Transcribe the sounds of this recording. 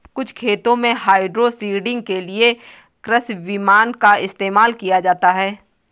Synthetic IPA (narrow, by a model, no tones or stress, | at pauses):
kʊt͡ʃʰkʰeːt̪õmẽɦaːɪɖɾosiːɖɪ̃ŋɡkelie | kɾəsʋɪmaːnkaɪst̪eːmaːlkijad͡ʒaːt̪aɦɛː